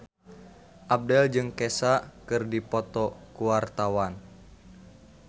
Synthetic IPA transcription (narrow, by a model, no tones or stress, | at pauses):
ʔab̚dɛld͡ʒɨŋkɛsakɨrdipɔt̪ɔkuwart̪awan